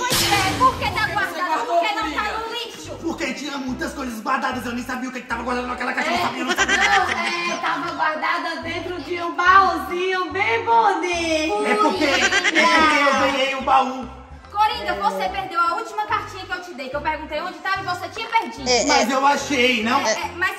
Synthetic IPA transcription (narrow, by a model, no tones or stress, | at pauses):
ojẽpoɾkenɐ̃ɡwaɾawaokenɐ̃w̪̃aʊ̃liʃʊpoɾket͡ʃĩɲɐmũj̃t̪ɐskojzɐzɡwaɾd̪ad̪ɐzewnẽj̃sabiɐʊkekɪ̥t̪avɐɡwaɾd̪ãd̪akɛlɐkaʃɐ̃famĩɲɐ̃nsɐ̃w̃ɛt̪avɐɡwaɾd̪ad̪ɐd̪ẽnt̪ɾʊd͡ʒɪũbazĩɲʊbẽj̃bonit̪ɛoɾkeɛpoɾkeewbejejʊbau | koɾĩd̪ɐvosepeɾd̪ewɐut͡ʃimɐkaɾt͡ʃĩɲɐkɪewt͡ʃɪd̪ejkewpeɾɡũt̪ejõd͡ʒɪsabɪvoset͡ʃĩɲɐpeɾd͡ʒiɛʊmɐzewaʃejnɐ̃w̃ɛmɐs